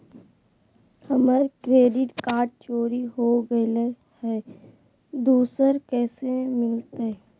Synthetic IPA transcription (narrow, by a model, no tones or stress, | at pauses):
həmaɾkɾeːɖɪʈkaːɖ̚t͡ʃoːɾiɦoɡəle | hɛː | d̪uːsəɾkɛːsemɪlt̪e